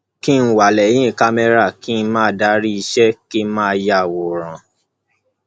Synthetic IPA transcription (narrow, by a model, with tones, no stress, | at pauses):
ki˦n̩˦wa˨lɛ˨˦j̃ĩ˦˨ka˧mɛ˧ɾa˦˨ki˦n̩˧mãː˦˨da˨˦ɾi˦i˧ʃɛ˦ki˦mãː˦ja˦˨wo˨ɾ̃ã˨